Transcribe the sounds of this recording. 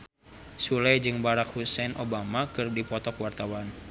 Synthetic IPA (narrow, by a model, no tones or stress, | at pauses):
sulɛd͡ʒɨŋbaɾakhusɛnʔobamakɨrdipɔt̪ɔkwart̪awan